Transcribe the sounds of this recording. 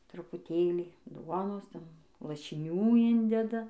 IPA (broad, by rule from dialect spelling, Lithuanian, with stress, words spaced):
trʊpʊˈtʲeːlʲiː ˈduɔnoːs ˈtʲɛn lˠɐʃʲɪˈnʲuː ˈɪnʲdʲɛdɐ